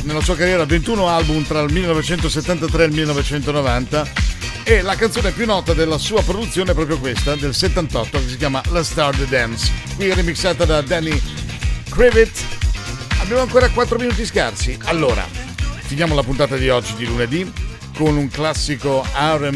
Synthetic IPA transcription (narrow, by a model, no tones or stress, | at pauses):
nelasuːakarjɛːɾavent̪uːnoalbumt̪ɾalmilːenɔvet͡ʃɛnt̪oset̪ːant̪at̪ɾealmilːenɔvet͡ʃɛnt̪onovant̪a | elakant̪oːneɛpjunːɔːt̪ad̪elːasuːapɾod̪ut̪sːjoːneɛpɾɔpɾjokwest̪ad̪elset̪ːant̪ɔt̪ːokes̬ik̬ʲjaːmalast̪ard̪d̪ɛnskwiɛrːimiksːaːt̪ad̪ad̪ɛni | kɾivit̪ː | abːjaːmoaŋkoːɾakwat̪ːɾominuːt̪̬iska̰rsialːoːɾa̰finjaːmolapunt̪aːt̪ad̪iɔd͡ʒːid̪iluned̪i | konuŋklasːikoaɾem